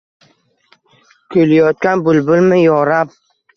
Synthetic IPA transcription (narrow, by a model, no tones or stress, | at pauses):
kʲʰojlajɒt̪̚kʲanbʊlbʊlmɪjɒɾap̚